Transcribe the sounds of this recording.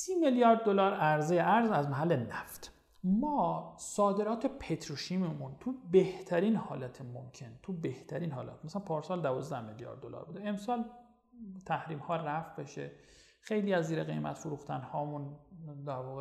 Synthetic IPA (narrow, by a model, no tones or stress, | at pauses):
siːmeljɒːɾd̪̚ːolɒːɾæɾzejeʔæɾzæzmæɦælːenæft̪ | mɒːsɒːd̪e̞ɾɒːt̪ʰepʰet̪ʰɾoʃiːmemunt̪ʰubeht̪ʰæɾiːnhɒːlæt̪ʰemomcʰent̪ʰube̞ht̪ʰæɾiːnɦɒːlæ̰t̪̚mæsæænpʰɒːɾsɒːld̪ævɒːzd̪æhmeljɒ̰ːɾd̪ːolɒ̰ːɾbuːd̪ee̞msɒːl | t̪ʰæhɾiːmhɒːræfbe̞ʃḛ | xe̞jliːæzːiːɾeɣe̞̰jmæ̰t̪foɾuːxt̪ʰænhɒːmund̪æɾvɒːɣe